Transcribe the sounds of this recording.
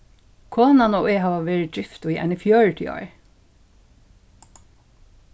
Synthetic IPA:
kʰoːnɑnoːeːɦɑːʋɑʋeːɹɪd̪ɹɪft̪ʊiːʔɛ̰nəfjœːɹʈʰɪ̰ɑ̰ɹ

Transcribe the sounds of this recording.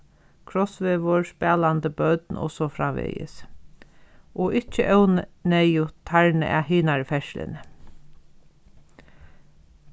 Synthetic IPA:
kʰɾɔsʋeːʋɔɹspɛːland̪əbœt̪nɔ̰sɔfɾaːʋḛjɪ̰s | ɔʔɪt͡ʃːəʔɛwnnɛjʊt̪ʰaɹnə̰ʔæ̰ɦiːnaɹfɛʃlɪ̰nə

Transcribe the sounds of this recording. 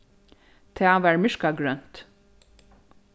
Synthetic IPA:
t̪ʰeːɑʋæːɹmʏʃkɑɡɹœnt̪

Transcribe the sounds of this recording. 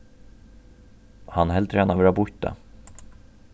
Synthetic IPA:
hanɦɛlt̪ʰɾɛːnavɛɾabʊt̪̚d̪ɛ̰

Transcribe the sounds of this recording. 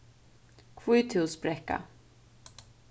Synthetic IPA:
kʰviːt̪ʰɪspɾɛka̰

